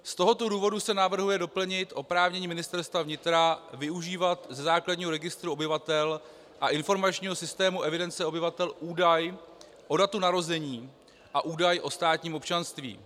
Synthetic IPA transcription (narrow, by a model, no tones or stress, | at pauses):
st̪o̞ɦo̞t̪o̞duːvo̞dusɛnavr̩ɦujɛdo̞pl̩ɲɪt̪ʔo̞pɾaːvɲɛɲiːmɪnɪst̪ɛɾst̪vavɲɪt̪ɾavɪuʒiːvat̪zɛzaːkladɲiːɦo̞ɾɛɡɪst̪ɾuo̞bɪvat̪ɛl | ʔaʔɪnfo̞ɾmat͡ʃɲiːɦo̞sɪst̪ɛːmuʔɛvɪdɛnt͡sɛo̞bɪvat̪ɛlʔuːdaj | ʔo̞dat̪unaɾo̞zɛɲiː | ʔaʔuːdajʔo̞st̪aːt̪ɲiːmo̞pt͡ʃanst̪vḭː